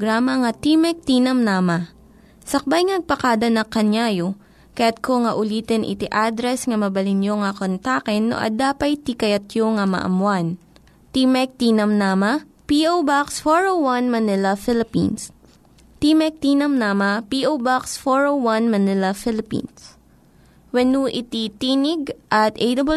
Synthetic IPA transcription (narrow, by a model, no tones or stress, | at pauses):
ɡɾaːmɐŋɐt̪imɛk̚t̪iːnɐmnaːmɐ | sɐk̚bajŋnɐɡ̚pɐkaːd̪ɐnɐkɐɲjaːjo | kɐjat̪̚koŋɐʔʊliːt̪ɛnʔɪ̰t̪iʔad̪ɾɛsŋɐmɐbɐlɪnjoŋɐkont̪aːkɛnːo̰ʔɐ̰d̪aːpɐjt̪ikɐjɐt̪joŋɐmɐ̰ʔɐ̰muan | t̪imɛk̚t̪inɐmnaːmɐ | piʔowbaksfoɹowwɐnmɐnɪlɐfɪlɪpḭns | t̪imɛk̚t̪iːnɐmnaːmɐpiʔowbaksfoɹowwɐnmɐnɪlɐfɪlɪpḭns | wɐnuʔɪt̪it̪iːnɪɡ̚ʔɐt̪ʔejd̪ɐb